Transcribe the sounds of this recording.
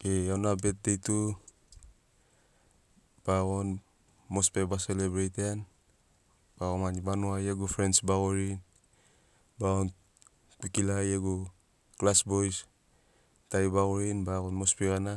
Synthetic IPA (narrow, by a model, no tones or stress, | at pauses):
eawnabet̚dejtu | b̥aɣon | mospebaselebɾejten | b̥aɣonmanibanuajeɡufɾensbaɣoɾin | baɣon | k͡pikilajeɡu | klasbojs | tajbaɣoɾinbaɣonmospeɣana